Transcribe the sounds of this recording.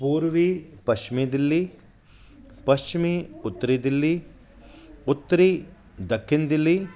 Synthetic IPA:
puːɾʋipɐst͡ʃɪmid̪ɪlːi | pɐst͡ʃɪmiʊt̪ːəɾid̪ɪlːi | ʊt̪ːɾi | d̪ɐkʰːɪnd̪ɪlːi

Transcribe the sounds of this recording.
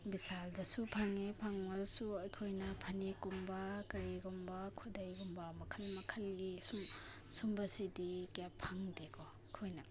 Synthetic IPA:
bisaldɐsupʰaŋipʰaŋalsuɐjkʰojnɐpʰɐnekumbɐkɐɾiɡumbɐkʰudɐjɡumbɐmɐkʰɐlmɐkʰɐlɡisum | sumbɐsidikjapʰaŋdekɔ | jkʰojnɐ

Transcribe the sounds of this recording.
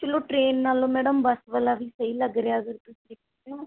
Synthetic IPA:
t͡ʃəlõːʈɾeːnːaːlõːmɛːɖəmbəsʋəlaːʋiːsəiːləɡɾeaːəɡəɾt̪ʊsid̪ɪk̚ʰ | eõː

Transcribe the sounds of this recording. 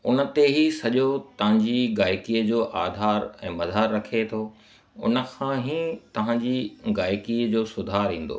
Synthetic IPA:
ʊnə̆t̪eɦisɐʄot̪ɐʋ̤ãɲd͡ʑiɡaːjkiːəd͡ʑoːʔaːd̪ʱaːɾɛ̃ːmɐzaːɾːɐkʰet̪ʰoː | ʊ̰nə̆kʰãːɦit̪ɐʋ̤ãːɲd͡ʑiɡaːjkiːəd͡ʑoːsʊd̪ʱaːɾɦĩːn̆d̪o̰ː

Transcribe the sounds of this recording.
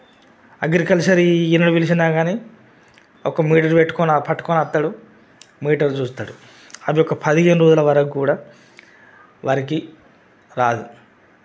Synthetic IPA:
ɐɡɾikɐlsɐɾiinɐɽuʋilis̬inaːɡaːniː | ɔkɐmiːʈɐɾupeʈːu̥kɔnapʰɐʈːu̥koːnɐt̪ːaːɽu | miːʈɐɾt͡ʃuːst̪aːɽu | ɐbiɔkːɐpʰɐd̪iɦeːnuɾoːd͡ʒulɐʋɐɾɐkkuːɽaː | ʋaɾiki | ɾaːd̪u

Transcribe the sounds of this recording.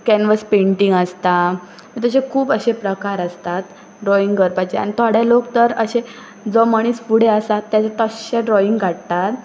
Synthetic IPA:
kɛnʋəspeɳʈiŋɡəst̪a | mit̪əɕekʰuːbəɕepɾəkaɾəst̪at̪ | ɖɾɔiŋɡɡəɾpat͡ɕea̰ɽ̃it̪ʰaɽ̤jalokt̪əɾəɕe | d͡zɔməɽ̃iːspuɽ̤eəsat̪ːjat͡sat̪əɕeɖɾɔiŋɡɡʱaʈ̚t̪at̪

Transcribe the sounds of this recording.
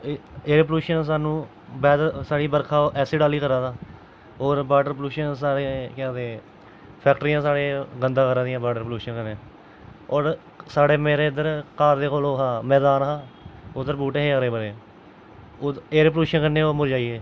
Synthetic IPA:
eːɾeːpluːʃəns̬aːnũː | bɛːd̪saːɽiːbəɾkʰaːoʔɛːsiːɖaːliːkəɾaːd̪aː | oːɾbaːɖəɾpluːʃəns̬aːɽeːkɛ̃ːd̪eː | pʰɛːk̚ʈəɾiːãːsaːɽeːɡənd̪ãːkəɾãːd̪ɪjãːbaːɖəɾpluːʃənkənẽː | ɔːɾ | saːɽeːmeːɾeːɪd̪əɾkaːɾd̪eːkoːloːɦãːmɛːd̪aːnɦãːʊd̪əɾpuːʈẽːɦeːaːɾeːbəɾeː | eːɾepluːʃənkənːẽːoːmʊɾd͡ʒaːiːeː

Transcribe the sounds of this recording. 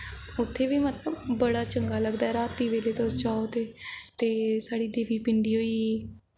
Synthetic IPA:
ʊt̪ʰːeːʋiːmət̪ləbːəɽaːt͡ʃəŋɡaːləɡd̪aːɛːɾaːt̪iːʋeːleːt̪osd͡ʒaːot̪eːt̪eːsaːɽiːd̪eːʋiːpɪɳɖiːɦoːiː

